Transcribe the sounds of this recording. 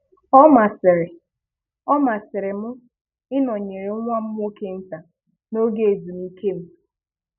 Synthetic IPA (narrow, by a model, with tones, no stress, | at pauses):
ɔ˦ma˨sɪ˨ɾɪ˨ | ɔ˦ma˨sɪ˨ɾɪ˨mʊ˦ | ɪ˦nɔ˨ɲe˨ɾe˨˦ŋʷa˦m̩˦m˦o˦ke˦n̩˦ta˨ | no˦ɡe˦˨e˨zu˨mi˨ke˦m̩˦